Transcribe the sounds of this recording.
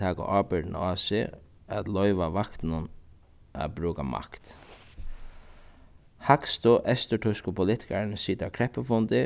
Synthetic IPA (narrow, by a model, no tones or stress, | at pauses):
aːkʊ̰ʔɑːbɪt̪n̰aːsɪ̰ | æt̪lɔʏʋaʋakt̪nʊn | ʔa̰bɾuːkamʔa̰kt̪ | hakst̪ʊʔɛst̪əʈʰʊskʊpʰʊlɪt̪ɪ̥kaɹnsiːt̪akʰɾɛhpəfʊnt̪ɪ